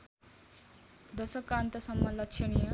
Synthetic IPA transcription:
d̪ʌsʌkːant̪ʌsʌmːʌlʌkt͡ʃʰiɽijʌ

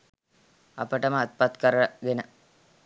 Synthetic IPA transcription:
ɐ̰pəʈəməːt̪̚pat̪kəɾəɡ̪enə

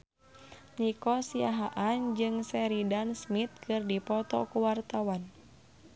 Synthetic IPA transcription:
nikɔsiaɦaʔand͡ʒɨŋsɛɾidansmit̪̚kɨrdipɔt̪ɔ̰kuwart̪awan

